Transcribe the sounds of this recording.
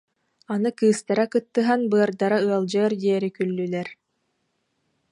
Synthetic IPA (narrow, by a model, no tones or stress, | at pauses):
anɯkɯːst̪aɾakɯt̪ːɯɦanbɯɐɾd̪aɾaɯɐlˠd͡ʑɯːɾd̪iɛɾikylːylɛɾ